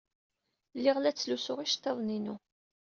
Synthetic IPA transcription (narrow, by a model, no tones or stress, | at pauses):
lːiʁlæt͡sːlusʊʁiʃt̪ːeðˤninu